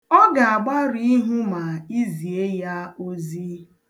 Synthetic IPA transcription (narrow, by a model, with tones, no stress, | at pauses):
ɔ˦ɡa˨a˨ɡ͡ba˦ɾi˦i˦ɦu˦ma˨i˦zi˨e˦ja˦o˦zi˦